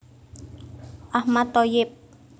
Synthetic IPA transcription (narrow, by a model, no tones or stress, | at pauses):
ahmat̪ojɪp̚